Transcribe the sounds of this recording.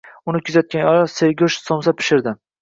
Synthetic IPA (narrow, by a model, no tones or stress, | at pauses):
ʊnɪkʲʰʊzat̪̚kʲanɒɾaseɾɡʲʊʃsomsapʰɪ̥ʃɪɾd̪ɪ